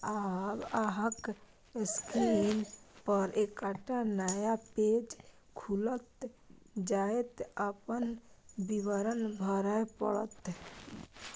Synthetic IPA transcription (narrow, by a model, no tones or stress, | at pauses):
abaɦək | skinpəɾʔekaʈanajaped͡ʒ | kʰulət̪ | d͡ʒaet̪əpənbiʋəɾənbʱəɾəjpə̰ɽət̪